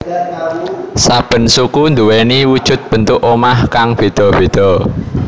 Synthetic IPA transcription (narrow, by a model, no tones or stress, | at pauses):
sab̥ə̤nsukund̪uwɛniwud̥ʒ̥ʊ̤t̪̚b̥ə̤nt̪ʊʔomahkaŋb̥e̤d̪̥ɔ̤b̥e̤d̪̥ɔ̤